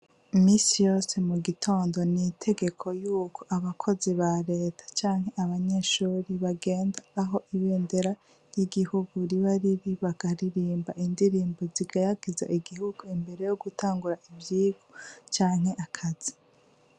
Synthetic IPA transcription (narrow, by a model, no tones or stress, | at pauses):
imiːsijo̞ːse̞muɡitʰo̞ːndo̞nitʰe̞ɡe̞kʰo̞juːkʰo̞̥ʔaβakʰo̞ziβaɾe̞ːtʰḁt͡ʃaːŋhɦe̞ʔaβaɲe̞ʃuːɾiβaɡe̞ːndaːɦo̞ʔiβeːnde̞ɾa | jiɡihuɡuɾiβaɾiɾiβaɡ̥aɾiɾiːmbaʔindiɾiːmboziɡajaɡiza̰ʔiɡihuɡ̥uimbe̞ɾe̞jo̞ɡutʰaːŋɡuɾaʔivjiːɡ̥ot͡ʃaːŋhe̞ʔakʰaz̥i̥